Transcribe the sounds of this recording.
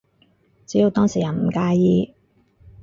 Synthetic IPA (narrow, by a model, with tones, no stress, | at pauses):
t͡siː˨˥ji˧wt̪ɔː˥ŋsiː˨˩ja˨˩m̩˨˩kaː˧jjiː˧